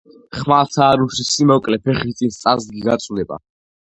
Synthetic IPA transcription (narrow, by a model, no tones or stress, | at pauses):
χmat̪ʰaːɾusisimɔkʼlɛpʰɛχit̪sʼinst̪sʼazd̪ɡiɡat̪sʼlɛba̰